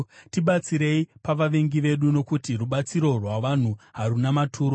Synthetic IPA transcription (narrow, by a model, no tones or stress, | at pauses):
tiɓat͡siɾe̞ipaʋaʋe̞ŋɡiʋe̞ɗuno̞kutiruɓat͡siɾo̞rwaʋan̤uɦarunamatʰuːɾo